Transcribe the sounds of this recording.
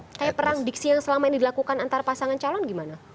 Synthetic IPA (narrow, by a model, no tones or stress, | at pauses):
kajapəɾaŋdik̚sijaŋsəlamainidilakukanant̪aɾapasaŋant͡ʃalɔnɡimana